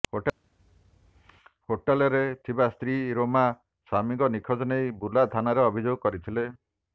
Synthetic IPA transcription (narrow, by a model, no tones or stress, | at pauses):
hoʈalɔɾet̪ʰibast̪ɾiɾoma | samiŋɡɔnikʰɔd͡ʒɔnejbulad̪ʰʱanaɾeɔbʱid͡ʒoɡɔkɔɾit̪ʰile